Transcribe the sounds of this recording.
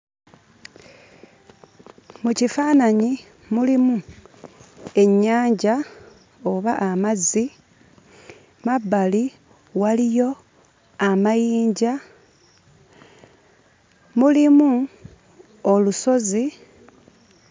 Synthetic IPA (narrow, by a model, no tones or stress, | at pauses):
mucifaːnaɲi | mulimu | e̞ɲːaːɲɟa | o̞βaʔamazi | mabːali | walijo̞ | amajiːɲɟa | mulimu | oluso̞zi